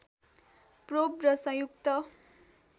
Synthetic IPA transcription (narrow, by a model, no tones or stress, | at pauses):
probrʌsʌ̃jukt̪ʌ